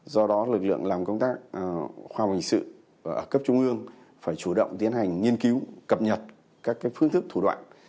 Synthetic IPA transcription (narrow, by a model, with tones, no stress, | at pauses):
zɔ˧ɗɔ˨˦lɨ˨˩k̚lɨ̰˧˨əŋlaː˨˩mkə˧wŋ͡mt̪aː˦˥k̚xwaː˧˩hï˨˩ŋ̟sɨ̰˧˨ | ʔəː˧˩kə˦˥p̚t͡ɕʊ˧ŋ͡mʔɨ˧əŋ | faː˧˩jt͡ɕu˧˩ɗə̰˧˨wŋ͡mt̪i˨˦ənha˨˩jŋ̟ŋi˧ənki˨˦wkə˨˩p̚ɲə˨˩t̚ | kaː˦˥kːaː˨˦jfɨ˨˦əŋt̪ʰɨ˦˥k̚t̪ʰu˧˩ɗwa̰ː˧˨n